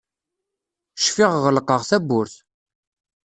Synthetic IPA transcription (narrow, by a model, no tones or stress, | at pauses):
ʃfɪʁʁəlqːəʁθæbːʊɾθ